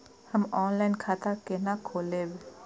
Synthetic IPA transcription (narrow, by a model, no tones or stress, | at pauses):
həmɔːnlaɪnkʰaːt̪akenakʰoːleːʋe